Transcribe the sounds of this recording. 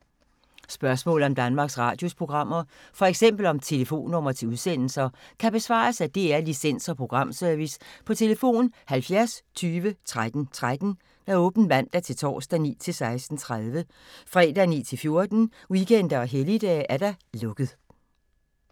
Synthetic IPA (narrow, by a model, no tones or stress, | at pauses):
sb̥ɶɐsmɔ̰̽ːl̩ˠɒ̽md̥ænmɑ̈ːɡ̥sʁɑ̰̈ːd̥jo̝spʰʁo̝ɡ̥ʁɑ̈m̰ɐfɒ̽eɡ̥sem̰b̥l̩ɒ̽mt͡sʰe̝ləfo̝̰ːnːɔ̽m̰ɐt͡sʰe̝uð̞ˠsen̰l̩sɐkʰæb̥e̝sʋɑ̰̈ːsæd̥e̝æɐlisen̰sɒ̽pʰʁo̝ɡ̥ʁɑ̈m̰sœɐʋispʰɒ̽t͡sʰe̝ləfo̝̰ːnhælfjæɐst͡sʰyːʋət͡sʰʁad̥n̩t͡sʰʁad̥n̩ | d̥ɑɔ̽ːb̥n̩ʋæn̰d̥æt͡sʰe̝lt͡sʰɒ̰ːsd̥ænḭːt͡sʰe̝lsɑ̈ɪsd̥n̩t͡sʰʁaðˠʋə | fʁɛ̰ːd̥ænḭːt͡sʰe̝lfjo̝ɐd̥n̩ | wikʰen̰d̥ɐɒ̽ɦelid̥ɛ̰ːʔæɐd̥ɑ̈lɔ̽ɡ̥ð̞ˠ